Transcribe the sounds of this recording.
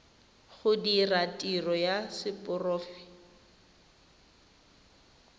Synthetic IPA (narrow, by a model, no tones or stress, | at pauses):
χʊdiratʼirɔjasɪpʼʊrɔːfɪ̥